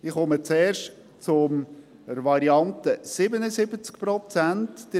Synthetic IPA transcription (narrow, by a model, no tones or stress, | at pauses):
ɪχɔmət͡sɛːɾʃt | t͡sʊm | ɾvɑɾiɑnt̪əsɪbənəzɪbət͡skpɾɔt͡sæntd̥ə